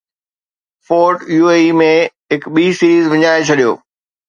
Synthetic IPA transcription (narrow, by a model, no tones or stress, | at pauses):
foːɾʈjuːeimẽɦɪkɓiːsiːɾiːzʋɐɲaːet͡ɕʰɐɗijo̰ː